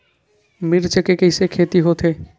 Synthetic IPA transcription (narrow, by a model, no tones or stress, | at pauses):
miɾt͡ʃekekejsekʰet̪iɦot̪ʰe